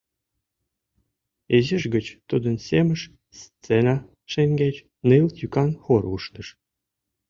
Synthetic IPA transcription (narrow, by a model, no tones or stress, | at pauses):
eziʃɡə̆t͡ɕt̪ud̪ə̆nsʲemə̆ʃ | st͡senɑ | ʃeŋɡʲet͡ɕ | nɨlt̪jykɑnxoɾuʃnə̆ʃ